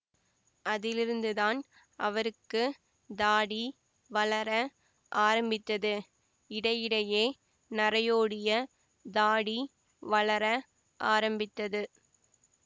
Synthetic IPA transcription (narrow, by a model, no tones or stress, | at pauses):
ʔɐðɪlɪɾɯnd̪ɯðaːn | ʔɐʋɐɾɯkːɯ | d̪aːɽi | ʋɐɭɐɾɐ | ʔaːɾɐmbɪt̪ːɐðɯ | ɪɽɐjɪɽɐjeː | nɐɾɐjoːɽɪjɐ | d̪aːɽi | ʋɐɭlɐɾɐ | ʔaːɾɐmbɪt̪ːɐðɯ